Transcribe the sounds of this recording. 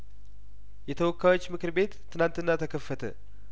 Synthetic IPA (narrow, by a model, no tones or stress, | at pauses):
jɛt̪ʰəwɔkːajo̞t͡ʃːmɨkɨɾbe̞t̪ːɨnant̪ɨnːat̪ʰəkʰəfːət̪ʰə̰